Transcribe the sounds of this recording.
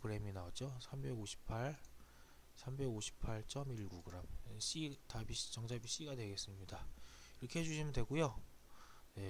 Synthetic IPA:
kɯɾe̞minaod͡ʑosʰambe̞ɡoɕʰi̥pʰaɭ | sʰambe̞ɡoɕʰi̥pʰaɭt͡ɕ͈ʰʌmiɭɡuɡɯɾameɕ͈itabiɕt͡ɕʌŋd͡ʑʰabiɕ͈iɡadwe̞ɡe̞s͈ɯmɲidaiɾʌkʰe̞he̞d͡ʑuɕʰimɯndwe̞ɡujo | ne

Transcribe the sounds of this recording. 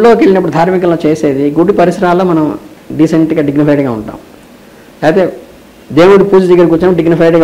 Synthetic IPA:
lo̞ːkeɭːinɐpːuɽud̪ʱaːɾmikɐloːt͡ʃeːse̞ːd̪iɡuɽipɐɾisɾaːlːo̞ːmɐnɐm | ɖiseɳʈɡaːɖiɡnipʰɐjʈiŋɡaːṵɳʈa̰ːm | laːt̪e̞ː | d̪eːwuɽipuːd͡ʒɐd̪ɐɡːɐɾkut͡ʃnɐmɖiɡnipʰɐjʈiŋɡa

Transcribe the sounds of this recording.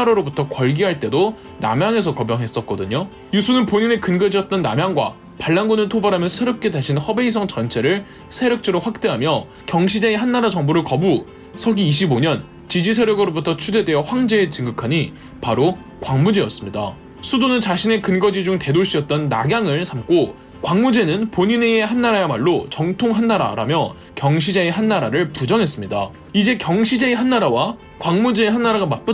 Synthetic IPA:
aɾʌɾobutʰʌkwʌɭɡiɦaɭt͈e̞do | na̰mjaŋe̞s̬ʰʌkʌbjʌŋɦe̞s͈ʌt̚k͈ʌdɯɲo | jusʰunɯnpoɲine̞kɯnɡʌd͡ʑiʌt̚t͈ʌnːamjaŋɡwa̰ | paɭːaŋɡunɯɭtʰobaɾɦamjʌnsʰeɾjʌp̚k͈e̞taɕʰinhʌbe̞is̬ʰʌŋt͡ɕʌnt͡ɕʰe̞ɾɯɭ | sʰe̞ɾjʌk̚t͡ɕ͈eɾoɸwak̚t͈e̞ɦamjʌ | kjʌŋɕʰid͡ʑeeɦanːaɾad͡ʑʌŋboɾɯɭkʌbu | sʰʌɡiːɕʰiboɲʌn | t͡ɕid͡ʑisʰeɾjʌɡɯɾobutʰʌt͡ɕʰude̞dwe̞ʌɸwaŋd͡ʑe̞ːt͡ɕɯŋɡɯkʰaɲi | paɾo | kwaŋmud͡ʑejʌs͈ɯmɲida̰ | sʰudonɯnt͡ɕaɕʰine̞kɯnɡʌd͡ʑid͡ʑuŋte̞doɕ͈ʰiʌt̚t͈ʌnːa̰ɡjaŋɯɭsʰamk͈o | kwaŋmud͡ʑe̞nɯnpoɲineeɦanːaɾajemaɭːot͡ɕʌŋtʰoŋɦanːaɾa̰ɾa̰mjʌ | kjʌŋɕʰid͡ʑe̞eɦanːaɾaɾɯɭpud͡ʑʌŋɦe̞s͈ɯmɲida̰ | id͡ʑe̞kjʌŋɕʰid͡ʑe̞eɦanːaɾawa | kwaŋmud͡ʑeeɦanːaɾaɡamat̚p͈u

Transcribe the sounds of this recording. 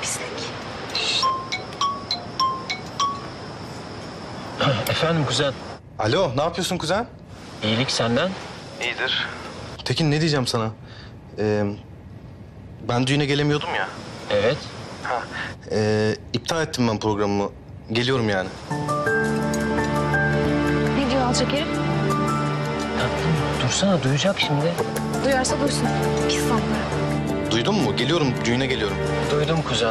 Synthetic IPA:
bisɛk | efænd̪imɡyzælʲ | alʲo̞naːpʰɯjosunkʰyzælʲ | ejilʲicsænd̪ænejid̪iɾ̥t̪ʰecʰinːed̪ijd͡ʒæmsana | ɛː | bænd̪yjynɛɟe̞lʲemijo̞d̪umjaevɛt̪hɛɛːip̚t̪ʰaːɛt̪ʰːimbænpɾo̞ɡɾammu | ɟe̞lʲijo̞ɾumjaːnɪ | ned̪ijoalˠt͡ʃʰekeɾim | t̪ʰak̚t̪ʰɯmd̪uɾsanad̪ujud͡ʒakʃimd̪ɪ | d̪ujaɾsad̪uɾsun | ʃufat̪lˠaɾ | d̪ujd̪umːuɟe̞lʲijo̞ɾumd̪yjynɛɟelʲijo̞ɾum | d̪ujd̪umkʰuzɛ

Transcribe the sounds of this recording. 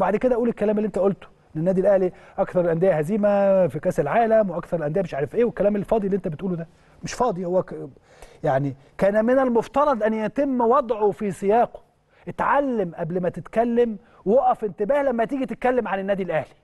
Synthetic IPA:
baʕd̪eked̪æʔæʔuːlekːælæːmelːiʔent̪æʔolt̪ʔenːenːæːd̪ilʔæhliʔækθɑɾˤlʔænd̪ejæhæziːmæfikæːsælʕaːlæmweʔækθɑɾˤelʔænd̪ejʔæmeʃʕaːɾefʔeːwekːælæːmelfɑːd̪ˤiliːʔent̪æbet̪ʔuːlud̪æ | meʃfɑːd̪ˤihowːæ | jaʕni | kæːnæmenælmoft̪ɑɾˤɑd̪ˤʔænːjæt̪emːwɑd̪ˤʕofisejɑːqo̥ | ʔet̪ʕalːemʔæblmæt̪ɪt̪kælːem | woʔæfɪnt̪ɪbæːhlæmːæt̪iːɡit̪et̪̚kælːemʕanenːæːd̪ilʔæhli̥

